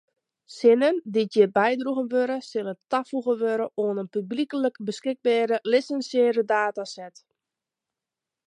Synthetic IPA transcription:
sɪnənditjɪbɛjdruɣənʋøɾəsɪlˠətafuɣənʋøɾəʔoənənpyblikələkbəskɪɡ̚bɛːɾəlɪsənsɪːɾədaːtasɛt

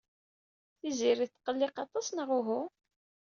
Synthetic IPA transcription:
θiziɾiθqːəlːɪqɑt̪ˤɑsˤnəʁuɦu

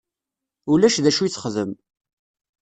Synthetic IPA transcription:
ulæʃðæʃujit͡sːχðəm

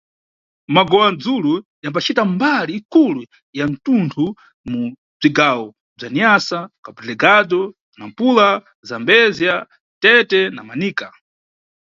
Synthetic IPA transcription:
maɡɔwand͡zulujambat͡ʃʰitambaliːkʰulu | jan̩tuntʰu | mu | b͡ʐiɡaːwɔ | b͡ʐaniasakablɛɡadɔ | nam̩pula | zambɛzja | tɛtɛnamaniːka

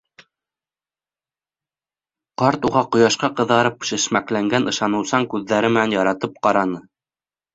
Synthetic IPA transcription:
qɑɾt̪uʁɑqŏjɑʃqɑqɤ̆ðɑɾɤp̚ʃɘ̆ʃmæklæŋɡænʔɤ̆ʃɑnɤ̆wsɑŋkʉðːæɾɘmɘ̆nænjɑɾɑt̪ɤp̚qɑɾɑnɤ

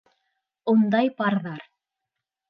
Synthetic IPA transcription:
und̪ɑjpɑɾðɑɾ

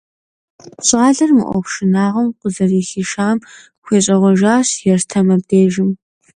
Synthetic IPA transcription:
ɕʼaːɮɐrmɨ̰ʔʷɔ̰χʷʃɪnaːʁɐmqʷʊzɐriːxiːʃaːm | xʷeːɕʼɐʁʷɔʒaːɕjɛrtʰɐmɐb̚deːʒɪm

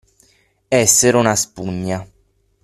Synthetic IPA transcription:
ɛsːeɾonaspuɲːa

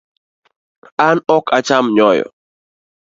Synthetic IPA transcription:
anɔkat͡ʃamɲɔjɔ̰

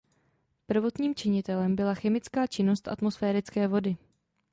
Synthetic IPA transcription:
pr̩vo̞t̪ɲiːmt͡ʃɪɲɪt̪ɛlɛmbɪlaxɛmɪt͡skaːt͡ʃɪno̞st̪ʔa̰t̪mosfɛːɾɪt͡skɛːvo̞dɪ

